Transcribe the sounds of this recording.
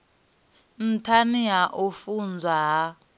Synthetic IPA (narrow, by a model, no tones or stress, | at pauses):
n̩tʰaniaʔofund͡zʱaɦa